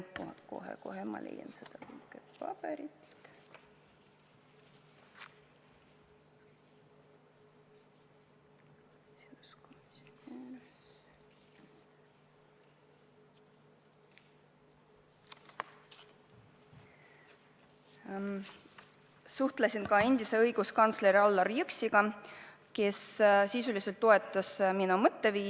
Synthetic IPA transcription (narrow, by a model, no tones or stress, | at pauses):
ko̞̰ɦḛko̞ɦemɑlʔejɑ̰nsed̪̥ɑkikepɑpeɾit̪ | siskomisooneːɾe | s | suht̪lesinkɑe̞nʲd̪̥ise̞ɤjɡ̥uskɑnt̪sle̞ɾiɑlːɑrjyksiɡ̥ɑ | ke̞ssisulise̞lt̪ːo̞e̞t̪ːˑɑsminumɤt̪ːe̞viː